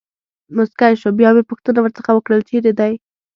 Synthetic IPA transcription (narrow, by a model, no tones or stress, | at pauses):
mʊskajʃobjɑwepʊxt̪ənawəɾt͡səxawəkɽəlt͡ʃeɾed̪aj